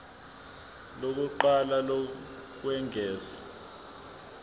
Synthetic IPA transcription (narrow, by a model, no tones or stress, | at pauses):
lok̬uǃalalo | k̬wɛŋʱɛːzḁ